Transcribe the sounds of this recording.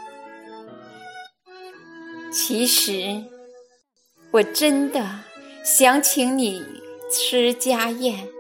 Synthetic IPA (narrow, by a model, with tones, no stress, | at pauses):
t͡ɕʰi˧˥ʂɻ̩˧˥ | wɔ˨˩ʈ͡ʂə˥nd̪ə˨ɕjɑ˧˥ŋt͡ɕʰi˧˥ŋni˨˩ʈ͡ʂʰɻ̩˥t͡ɕja˥jɛ˥˩n